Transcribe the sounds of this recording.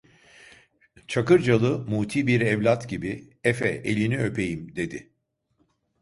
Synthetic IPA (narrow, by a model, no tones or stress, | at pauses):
t͡ʃʰakɯɾd͡ʒalˠɯmuːt̪ʰiːbiɾɛvlʲat̪ɟibi | ɛfɛʔelʲiniø̞pʰe̞jimd̪e̞d̪ɪ